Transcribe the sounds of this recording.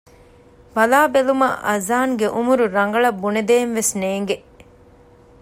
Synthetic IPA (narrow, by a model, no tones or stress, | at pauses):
bɐlaːbelumɐ̰ʔɐzaːŋɡeʔumuɾuɾɐŋɡɐɭɐbːuned̪eːnʋesneːŋɡe